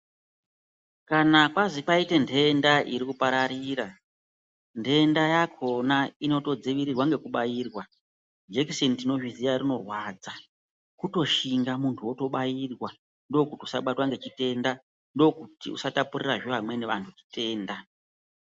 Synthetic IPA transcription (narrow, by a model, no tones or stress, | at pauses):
kanakwazipaite̞nde̞ndaʔiɾikupaɾaɾiːɾa | nde̞ndajakʰo̞naino̞to̞d͡ziʋiɾirwaŋɡe̞kuɓajiːrwa | d͡ʒekisentino̞ʒizijarino̞rwad͡za | kuto̞ʃiŋɡamuntʰuwo̞to̞ɓajirwa | ndo̞kutiusa̰ɓatwaŋɡe̞t͡ʃite̞nda | ndo̞kutḭṵsatapureraʐeʋamwe̞neʋantʰut͡ʃi̥te̞ːnda